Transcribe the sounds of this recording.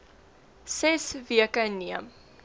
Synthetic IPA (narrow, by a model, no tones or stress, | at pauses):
sɛsviəkəniəm